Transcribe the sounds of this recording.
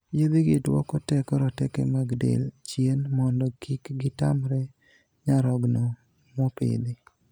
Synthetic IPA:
jed̪ɪɡɪdwɔ̰kɔtɛkɔɾɔtɛkɛ̰maɡdḛlt͡ʃjenmɔndɔkʰikɡɪtamɾɛ | ɲaɾɔɡnɔ | mopḛd̪i

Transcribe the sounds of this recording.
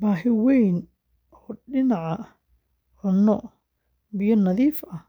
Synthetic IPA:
baːɦɪwɛjn | ɔːɗɪnaʕɑ | ʕʊnːɔ | bɪjɔnɐðiːfɐ

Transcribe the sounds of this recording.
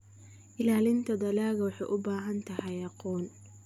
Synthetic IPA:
ʔɪlaːlɪnt̪ʰɐd̪ɐlaːɣɐwɑħɑ̰jʔʊbaːɦɐnt̪ʰɐhɛjɑqɔːn

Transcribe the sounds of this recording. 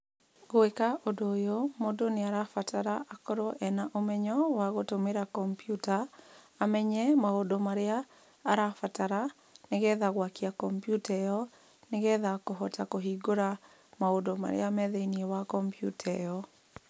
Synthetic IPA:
ɣoekaʔodojomodoneaɾafataɾaʔakɔɾɔʔɛnaʔomɛɲɔwaɣotomeɾakɔmpijutaː | mɛɲɛmaodomaɾeaː | ɾafataɾa | neɣɛðaɣwakiakɔmpjutɛjɔ | neɣɛðakoɦɔtakoɦiɡoɾa | maodoma̰ɾḛamɛðɛiniɛwakɔmpjṵtʰɛjɔ

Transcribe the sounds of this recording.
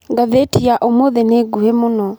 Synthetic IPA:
ɡaðetiaʔomoðeneɡuhemonɔ

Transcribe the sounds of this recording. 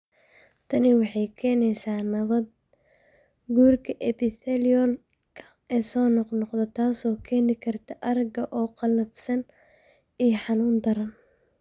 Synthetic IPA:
t̪ʰɐnɪwɑħɑjkʰɛːnɛjsaːnɐβɐd̪̚ | ɡuːrkʰɐʔɛpɪθɛlɔl | kʰɐ̥ | ɛːsɔːnɔqnɔqd̪ɐt̪ʰaːsɔːkʰɛːnɪkʰɐrt̪ʰɐʔɐɾɐɡɐʔɔːqɑlɐfsɐn | ijħɑnuːnd̪ɐɾɐn

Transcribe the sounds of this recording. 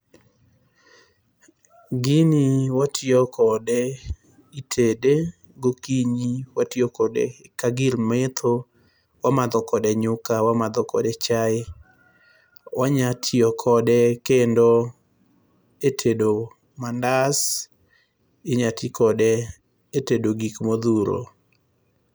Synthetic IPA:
ɡiniwatʰɪɔkʰɔdɛ | itʰede | ɡokiɲiwatjɔkɔdɛ̰kaɡɪlmet̪ʰo | wamad̪ɔkɔdɛɲʊkawamad̪ɔkɔ̰dɛt͡ʃaɪ | waɲatʰɪɔkʰɔdɛkendo | etʰedo | mandas | ɪɲatikʰɔdɛ | etedoɡikmod̪uɾo̰

